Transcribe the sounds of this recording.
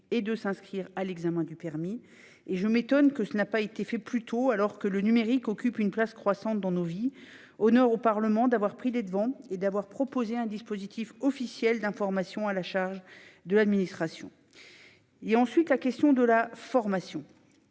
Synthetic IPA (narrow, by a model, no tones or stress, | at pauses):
ed̪əsɛ̃skχiʁalɛɡzamɛ̃d̪ypɛʁmi | eʒəmet̪ɔnkəsənapaet̪efɛplyt̪ʰoalɔʁkələnymeʁikɔkʲypynplaskχwasɑ̃t̪̚d̪ɑ̃novi | ɔnœʁopaʁləmɑ̃d̪avwaʁpχiled̪əvɑ̃ed̪avwaʁpχɔpozeɛ̃d̪ispozit̪ʰifɔfisjɛld̪ɛ̃fɔʁmasjɔ̃alaʃaʁʒd̪əlad̪minist̪χasjɔ̰̃ | eɑ̃sɥit̪lakʲɛst̪jɔ̃d̪əlafɔʁmasjɔ̃